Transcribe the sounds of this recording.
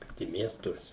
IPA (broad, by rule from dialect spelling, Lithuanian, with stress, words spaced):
ˈkɐt ɪ ˈmʲiɛstuɔsʲɛ